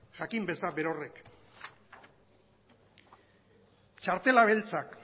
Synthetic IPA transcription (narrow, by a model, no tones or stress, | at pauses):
ʝakimbe̞sabe̞ɾore̞k | t͡ʃaɾt̪e̞laβ̞e̞lt͡sak